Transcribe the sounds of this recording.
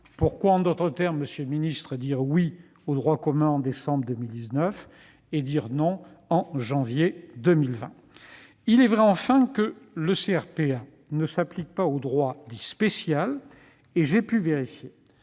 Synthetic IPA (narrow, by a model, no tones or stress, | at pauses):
puʁkwaɑ̃d̪ɔt̪χət̪ɛʁmːəsjølminist̪χəd̪iʁwi | od̪ʁwakɔmɛ̃ɑ̃d̪esɑ̃bʁd̪əmild̪iznœf | ed̪iʁnɔ̃ɑ̃ʒɑ̃vjed̪əmilvɛ̰̃ | ilɛvʁɛɑ̃fɛ̃kələseɛʁpea | nəsaplik̚paod̪ʁwad̪ispesjal | eʒepyveʁifje